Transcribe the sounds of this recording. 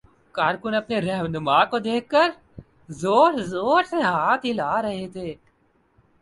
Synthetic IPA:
kaːɾkʊnɐpneɾɛɦnʊmaːkod̪eːkʰːəɾ | zoːɾzoːɾseɦaːt̪ʰɦilaːɾɐɦet̪ʰeː

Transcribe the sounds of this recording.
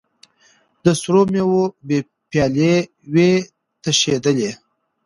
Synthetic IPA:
d̪əsɾomewobe | pjɑle | we | t̪əʃed̪əle

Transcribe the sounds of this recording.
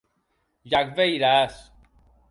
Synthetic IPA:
jakvejɾas

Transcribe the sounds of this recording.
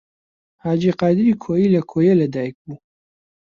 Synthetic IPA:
haːd͡ʒiqɑːjd̪ɪɾikʰojilɐkʰojelɐd̪aːjək̚bu

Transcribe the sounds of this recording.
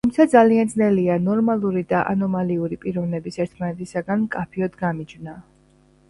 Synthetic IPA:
ttʰumt̪sʰad̪zaliand̪znɛlianɔɾmalˠuɾid̪aʔa̰nɔmaliuɾipʼiɾɔvnɛbisɛɾt̪ʰmanɛt̪ʰisaɡanmkʼapʰiɔd̪ɡamid͡ʒvna

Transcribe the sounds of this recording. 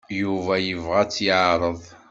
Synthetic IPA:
juvæjəvʁæt͡sːjəʕɾˤəðˤ

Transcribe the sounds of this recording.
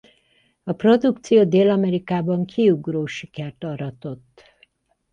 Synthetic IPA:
ɒpro̞d̪ukt̪sijoːd̪eːlɒmɛɾikaːbɒŋkʰiuɡroːʃikɛrt̪ɒɾɒt̪o̞t̪ː

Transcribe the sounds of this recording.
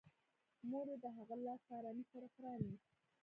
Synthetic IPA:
moɾed̪əɦaɣalɑsɑɾɑnisaɾaxɾɑni

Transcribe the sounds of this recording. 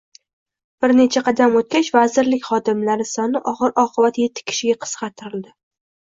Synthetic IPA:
b̥ɪɾne̞t͡ʃʰaqʰɑd̪amot̪̚kʲat͡ʃvazɪɾlɪkʲχɒd̪ɪmlaɾɪsɒnɪʔɒʁɨɾʔɒqʰɨbat̪je̞t̪ʰːɪ̥kʲʰɪ̥ʃɪɡʲaqʰɨ̥sqɑt̪ʰːɪɾɪld̪ɪ

